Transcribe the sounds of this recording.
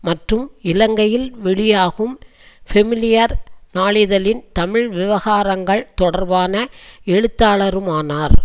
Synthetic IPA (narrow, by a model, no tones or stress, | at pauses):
mɐʈrɯmɪlɐŋɡɐjɪlʋɛɭɪjaːɣɯm | fɛmɪlɪjɐɾnaːlɪðɐlɪnt̪ɐmɪɻʋɪʋɐɣaːɾɐŋɡɐɭt̪ɔɽɐɾʋaːnɐɛɻɯt̪ːaːɭɐɾɯmaːnaːɾ